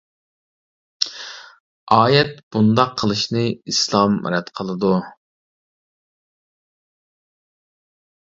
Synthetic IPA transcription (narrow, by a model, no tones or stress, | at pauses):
ɑːjɛt̪b̥und̪ɑqʰːəlˠɨʃnɨislˠɑmɾɛt̪qʰəlˠɨd̪u